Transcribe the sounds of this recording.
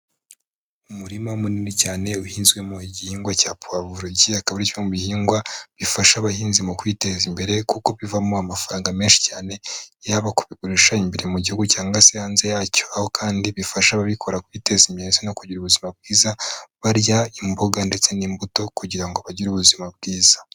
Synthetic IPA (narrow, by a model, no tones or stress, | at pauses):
umuɾimaumuniːnicaːne̞uhiːnzɡwe̞muiɟihiːŋɡwacaːpuaβuɾoɟiakaβaɾicomuβihiːŋɡwaβifaʃaβahiːnzimukwiːte̞zimbe̞ɾe̞kuko̞βivamoamafaɾaːŋɡameːnʃi̥caːne̞jaβakuβiɡuɾiʃaimbeɾemuɟihuɡucaːŋɡasehaːnze̞jaːco̞aho̞kʰaːndiβifaʃaβaβikʰo̞ɾakwiːte̞zimeːzono̞kuɟiɾuβuzimabɡiːzaβaɾjaimboɡande̞t͡se̞niːmbuto̞kuɟiɾaŋɡoβaɟiɾuβuzimab̚ɡiːza